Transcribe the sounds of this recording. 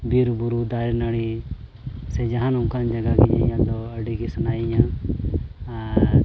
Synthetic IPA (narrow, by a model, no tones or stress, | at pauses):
biɾbuɾud̪aɾɛnaɽi | sɛd͡ʒaɦanũŋkand͡ʒaɡaɡiɲa̰jãd̪ɔəɖiɡisanajɲã